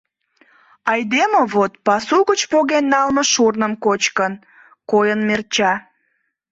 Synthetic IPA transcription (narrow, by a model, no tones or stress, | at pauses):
ɑjd̪emoβot̪pɑsuɣət͡ɕpoɣenːɑlmə̆ʃurnəmkot͡ɕkən | kojənmert͡ɕɑ